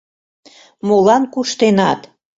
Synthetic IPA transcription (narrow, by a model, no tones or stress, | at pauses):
molɑnkuʃt̪enɑt̪